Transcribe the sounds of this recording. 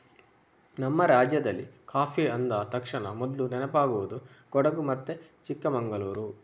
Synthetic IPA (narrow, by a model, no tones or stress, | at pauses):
nɐmːɐɾaːd͡ʒjɐd̪ɐlːikaːpʰiɐnd̪ɐt̪ɐkʂɐɳɐ̰mɔd̪lunɛnɐpaːɡuʋud̪u | kɔɽɐɡumɐt̪ːet͡ʃikːɐmɐŋɡɐluːɾu